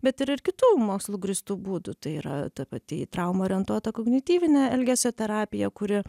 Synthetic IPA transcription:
bʲɛt̪ɪɾɪɾkʲɪt̪uːmoːkslˠuːɡɾʲɪst̪uːbuːd̪ʊt̪ɐɪiːɾɐ̰t̪ɐpɐt̪ʲɪt̪ɾɐʊmoːɾʲiɛnt̪uɔt̪ɐkoːɡnʲɪt̪ʲiːʋʲɪnʲɛɛlʲɡʲæsʲɛt̪ʲɛɾɑːpʲɪjɛkʊɾʲɪ

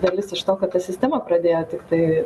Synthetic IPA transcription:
d̪ɐlʲɪsɪʃt̪oːkɐt̪t̪ɐsʲɪsʲt̪ʲæːmɐpɾɐd̪ʲeːjoːt̪ʲɪkt̪ɐɪ

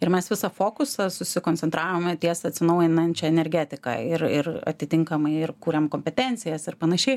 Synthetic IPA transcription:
ɪɾmʲɛsʋʲɪsɐfoːkʊsɐsʊsʲɪkoːnʲt͡s̪ʲsʲɛnt̪ɾɑːʋoːmt̪ʲiɛsɐɐtʲsʲɪnɐʊjɪnɐɛnʲt͡ʃʲɛɛnʲɛɾʲɡʲæːt̪ʲɪkɐ̰ɪrɪ̰rɐ̰t̪ʲɪt̪ʲɪŋkɐmɐɪɪrkuːɾʲɛmkoːmʲpʲɛt̪ʲɛnʲt͡ssʲɪjɛsɪɾpɐnɐʃʲɛɪ

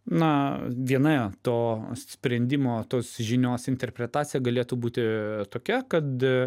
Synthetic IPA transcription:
nɐʋʲiɛnɐt̪oːssʲpʲɾʲɛnʲd̪ʲɪmoːt̪oːsʒʲɪnʲoːsɪnʲt̪ʲɛɾʲpʲɾʲɛt̪ɑːsʲɪjɛɡɐlʲeːt̪uːbuːt̪ʲɪt̪oːkʲɛkɐt̪

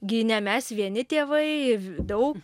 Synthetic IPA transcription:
ɡʲɪnʲɛmʲɛsʋʲiɛnʲɪt̪ʲeːʋɐɪd̪ɐʊk

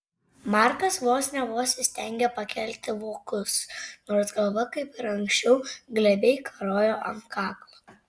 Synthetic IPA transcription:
mɑːˑɾkɐsʋoːsʲnʲɛʋoːsʲɪsʲt̪ʲɛŋʲɡʲɛpɐkʲɛlʲt̪ʲɪʋoːkʊsnoːɾsɡɐlˠʋɐkɐɪpɪɾɐŋʲksʲt͡ʃʲɛʊɡlʲɛbʲɛɪkʰɐɾoːjoːʔɐ̰ŋkɑːklˠo

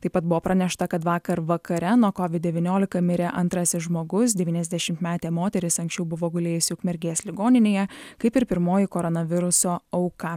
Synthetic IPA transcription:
t̪ɐɪpɐt̪̚bʊʋoːpɾɐnʲɛʃt̪ɐkɐt̪ʋɑːkɐɾʋɐkɐɾʲɛnuɔkɔʋʲɪd̪̚ʲdʲɛʋʲinʲoːlʲɪkɐmʲɪɾʲeːʔɐnt̪ɾɐsʲɪsʒmoːɡʊs̬d̪ʲɛʋʲiːnʲɛzd̪ʲæʃʲɪmt̪mʲæːt̪ʲeːmoːt̪ʲɛɾʲɪsɐŋksʲt͡ʃʲɛʊbʊʋoːɡʊlʲeːjʊsʲɪʊkmʲɛɾʲɡʲeːslʲɪɡoːnʲɪnʲeːjɛkɐɪpɪɾpʲɪɾmoːjɪkoːɾɔnɐʋʲɪɾʊsoːɐʊkɑ

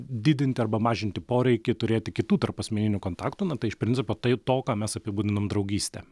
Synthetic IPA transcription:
d̪ʲɪːd̪ʲɪnʲt̪ʲɪɐrbɐmɑːʒʲɪnʲt̪ʲɪpoːɾʲɛɪkʲɪt̪ʊɾʲeːt̪ʲɪkʲɪt̪uːt̪ɐrpɐsʲmʲɛnʲɪnʲʊkoːnt̪ɑːkt̪uːnɐt̪ɐɪɪʃpʲɾʲɪnʲt͡s̪ʲɪpoːt̪ɐɪt̪oːkɑːmʲɛsɐpʲɪbuːd̪ʲɪnoːmd̪ɾɐʊɡʲiːsʲt̪ʲɛ̰ː

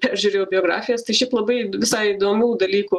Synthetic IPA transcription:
pʲæɾʲʒʲuɾʲeːjobʲɪoːɡɾɑ̰ːfʲɪjɛst̪ɐɪʃʲɛɪplˠɐbɐɪʋʲɪsɐɪid̪oːmʲuːd̪ɐlʲiːku

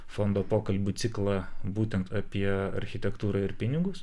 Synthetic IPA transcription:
fond̪oːpoːkɐlʲbʲʊt̪sʲɪklˠɑːbuːt̪ʲɛnt̪ɐpʲiɛɐ̰ɾʲxʲɪt̪ʲɛkt̪uːɾɑɪɾpʲɪnʲɪɡʊs

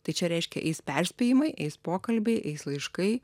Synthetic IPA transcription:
t̪ɐɪt͡ʃʲɛɾʲɛɪʃʲkʲɛ̰ʔɛ̰ɪspʲɛɾʲsʲpʲeːjɪmɐɪʔɛɪspoːkɐlʲbʲɛɪʔɛɪslˠɐɪʃkɐɪ

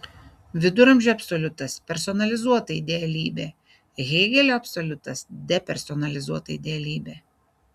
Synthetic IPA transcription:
ʋʲɪd̪ʊɾɐmʲʒʲɛːɐpʲsɔlʲʊt̪ɐspʲɛɾsɔnɐlʲɪzuɔt̪ɐid̪ʲeːɛlʲiːbʲeː | ɣʲɛɪɡʲɛlʲoːɐpʲsɔlʲʊt̪ɐsd̪ʲɛpʲɛɾʲsɔnɐlʲɪzuɔt̪ɐid̪ʲeːɛlʲiːbʲeː

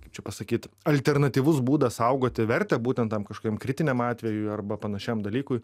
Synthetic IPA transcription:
kkɐɪpt͡ʃʲɛpɐsɐkʲiːt̪ɐlʲt̪ʲɛɾnɐt̪ʲiːʋʊsbuːd̪ɐsɐʊɡoːt̪ʲɪʋʲɛɾʲt̪ʲɛbuːt̪ʲɛnt̪ɐmkɐʃkoːkʲiɛmkɾʲɪt̪ʲɪnʲɛmɑːt̪ʲʋʲɛjʊɪɐrbɐpɐnɐʃʲæmd̪ɐlʲiːkʊj

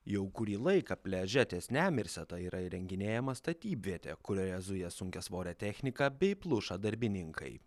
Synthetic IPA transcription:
jɛʊkʊɾʲiːlˠɐɪkɐpʲlʲɛʒʲɛt̪ʲeːsnʲæːmʲɪɾʲsʲɛt̪ɐiːɾʔɐiɾʲɛŋʲɡʲɪnʲeːjɛmɐst̪ɐt̪ʲiːbʲʋʲiɛt̪ʲḛːkʊɾʲoɾʲɛzʊjɛsʊŋʲkʲɛsʋoːɾʲɛt̪ʲɛxʲnʲɪkɐbʲɛɪplˠʊʃɐd̪ɐɾʲbʲɪnʲɪŋkʰɐ̰ɪ

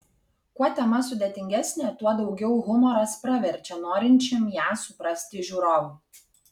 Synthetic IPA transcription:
kuɔt̪ʲɛmɐs̬ʊd̪ʲɛt̪ʲɪŋʲɡʲæsʲnʲeːt̪uɔd̪ɒʊɡʲɛʊɣʊmɔɾɐspɾɐʋʲɛɾʲt͡ʃʲɛnoːɾʲɪnʲt͡ʃʲɪmjæːsʊpɾɐsʲt̪ʲɪʒʲuːɾoːʋu

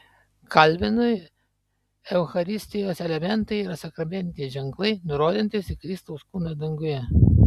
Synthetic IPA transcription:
kɐlʲbʲɪnʊj | ɛʊxɐɾʲɪsʲt̪ʲɪjoːsɛlʲɛmʲɛnˑt̪ɐɪiɾɐsɐkɾɐmʲɛnʲt̪ʲɪʒʲɛŋklˠɐɪnʊɾoːd̪ʲɪnʲt̪ʲɪsʲɪkɾʲɪst̪ɐʊskuːnɐd̪ɐŋɡʊjɛ

